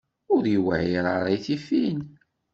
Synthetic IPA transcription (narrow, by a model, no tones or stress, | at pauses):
ʊɾjwæ̰ʕiɾˤəɾˤajθifin